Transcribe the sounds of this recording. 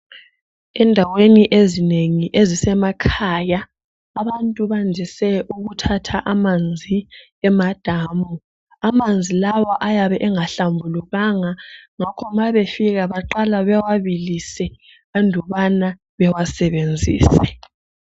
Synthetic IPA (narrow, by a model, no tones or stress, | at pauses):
ɛndʱaweniʔezineŋiʔezisɛmakʰajaː | βantʼuβand͡ʒʱɛsɛʔuɣutʰatʰaʔamand͡zʱi | ɛmad̥ʱaːmu | amand͡zʱilawaʔajaβɛʔɛŋaɬambʱuluɣaŋaŋakʰɔmaβefiɣaβaǃalaβɛwaβilisɛ | andʱɔβana | βɛwasɛβend͡zʱḭːsɛ